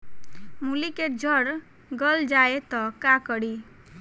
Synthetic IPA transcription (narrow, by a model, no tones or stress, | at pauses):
mulikeʈd͡ʒʱəɾ | ɡəld͡ʒaet̪ɔkakəɽi